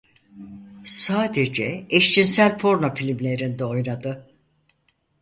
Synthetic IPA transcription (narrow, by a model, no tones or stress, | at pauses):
saːd̪e̞d͡ʒɛeʃt͡ʃʰinsælʲpʰo̞ɾnofilʲimlʲe̞ɾind̪ɛo̞jnad̪ɯ